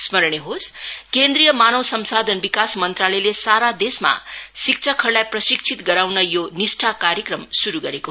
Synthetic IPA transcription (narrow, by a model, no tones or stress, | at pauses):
smʌɾɳ̃eɦoskend̪ɾijʌmanʌwsʌmsad̪ʱʌnbikasmʌnt̪ralʌjlesaɾad̪esma̰sik̚t͡sʰʌkʰʌrlajprʌsik̚t͡sʰit̪ɡʌɾawnʌjonisʈʰakaɾjʌkrʌmsuɾuɡʌɾeko